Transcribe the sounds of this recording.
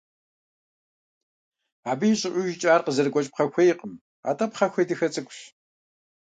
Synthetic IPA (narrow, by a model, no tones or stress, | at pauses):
aːbɨjɪɕʼɪʔʷʊʒɪt͡ʃʼaːrqəzɐrɡʷɔt͡ʃʼp̚χɐxʷejɪqəm | a̰ːtʼɐpχɐxʷejdɨxɐt͡sʼɨkʷʼɕ